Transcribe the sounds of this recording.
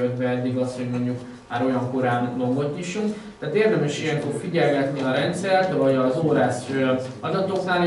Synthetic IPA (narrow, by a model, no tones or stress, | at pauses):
ød̪bɛɛd̪ːiɡɒsho̞ɟmo̞ɲɟuk | maːɾo̞jɒŋko̞ɾaːnloŋɡot̪ːiʃuŋk | t̪aːt̪eːrd̪ɛmɛʃijɛŋkorfiɟɛlɡɛt̪niɒɾɛnt̪sɛrt̪vɒɟɒzoːɾaːsøɒd̪ɒt̪o̞knaːl